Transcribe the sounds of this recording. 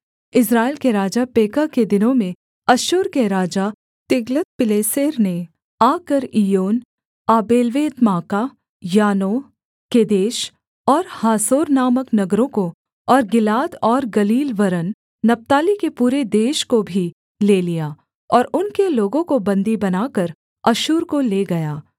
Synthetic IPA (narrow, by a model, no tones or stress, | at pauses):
ɪs̬ɾaːɪlkeɾaːd͡ʒapeːkəked̪ɪnõmẽ | ɐʃʊɾkeɾaːd͡ʒa | t̪ɪɡlət̪̚pɪleːseːɾne | aːkəɾijoːn | aːbeːlʋeːd̪maːka | jaːnoː | ked̪eːʃ | ɔːɾhaːsoːɾnaːməknɐɡɾõko | ɔːɾɡɪlaːd̪ɔːɾɡɐliːlʋɐɾənː | ɐp̚t̪aːlikepuːɾed̪eːʃkobʱi | leːlijaː | ɔːɾʊnkeloːɡõkobɐ̃nd̪ibɐnaːkəɾ | ɐʃuːɾkoleːɡɐjaː